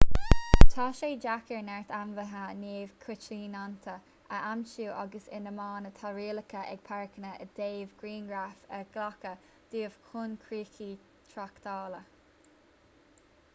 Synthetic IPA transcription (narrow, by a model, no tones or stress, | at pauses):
t̪ʰaːʃeːd͡ʒakəɹnɛɹt̪anvəɦəneːv̥kʰʊt͡ʃliːnant̪ʰə | ʔəʔamt͡ʃuːʔaɡəsɪ̰nəmɑːnət̪ʰaɹiːləkʰəʔɛ̰ɡ̥̚pʰɛɹkənəʔəd̪̥eːvɡ̥ɹiːnɡɹafəɡ̥lakə | d̪̥iːəv̥kʰʊnkʰɹiːkʰiː | t̪ʰɹakt̪ʰɑːlə